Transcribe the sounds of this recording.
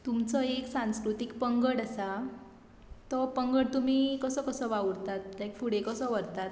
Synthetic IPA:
t̪umt͡sɔeksãskɾut̪ikpəŋɡəɽəsa | t̪ɔpəŋɡəɽt̪um̤ikəsəkəsəʋauɽt̪at̪̚lajkfuɽ̤ekəsəʋəɾt̪at̪

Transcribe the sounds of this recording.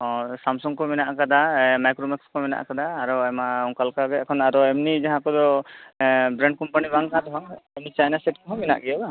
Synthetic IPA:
ɔ̃samsɔŋkɔminaʔakad̪amajkɾomɛkskɔmina̰ʔkad̪aːɾɔajmaɔŋkalkaɡɛɛkʰɔnaɾɔɛmnid͡ʒaɦãkɔd̪ɔ | bɾɛɳɖ̚kɔmpanibaŋkad̪ɔɦaŋɛmnit͡ʃajnaseʈ̚kɔɦɔmina̰ʔɡɛjaba

